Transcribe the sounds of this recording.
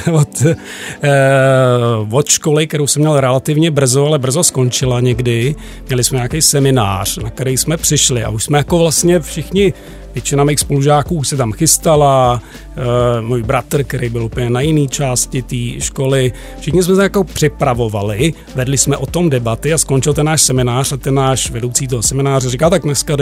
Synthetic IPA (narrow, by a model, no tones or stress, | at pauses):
vot̪ | vot̪ʃkolɪk̚t̪ɛɾowsɛmɲɛlɾɛlat̪ɪvɲɛbr̩zoalɛbr̩zosko̞nt͡ʃɪlaɲɛɡdɪ | mɲɛlɪsmɛɲaːkɛjsɛmɪna̰ːr̝̥nakt̪ɛɾɛjsmɛpr̥ɪʃlɪʔa̰ʔuʃsmɛjako̞vlast̪ɲɛfʃɪxɲɪ | vjɛt͡ʃɪnamijxspoluʒaːkuːsɛt̪amxɪst̪ala | muːjbɾat̪r̩kt̪ɛɾejbɪlʔupəɲɛnajɪniːt͡ʃaːscɪt̪iːʃko̞lɪ | fʃɪxɲɪs̬mɛsɛjako̞pr̥ɪpɾavo̞valɪ | vɛdlɪsmɛʔo̞t̪o̞mdɛbat̪ɪaskont͡ʃɪlt̪ɛnːaːʃsɛmɪnaːr̝̥at̪ɛnːaːʃvɛdo̞wt͡siːt̪̬oɦosɛmɪnaːrɛrɪkaːt̪ak̚nɛskad